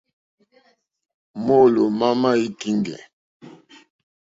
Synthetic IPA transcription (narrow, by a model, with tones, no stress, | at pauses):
mo˦lo˨ma˦ma˦i˦ki˦ŋɡɛ̰˨